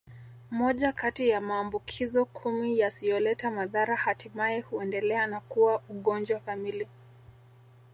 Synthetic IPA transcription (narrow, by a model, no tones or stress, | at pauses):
mɔʄakatijamaːmbukʰizɔkʰumijasijɔlɛtamaðaɾahatimaɛhuɛndɛlɛanakuwaʔuɠɔnd͡ʒwakamili